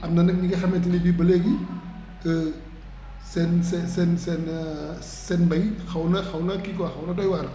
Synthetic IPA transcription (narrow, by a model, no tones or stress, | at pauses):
amnanɯk̚niɡasament̬ilibibɐleɡi | tɯ | sensesensen | senbajkʰawnakʰawnakikwakʰawnatɔjwaɾa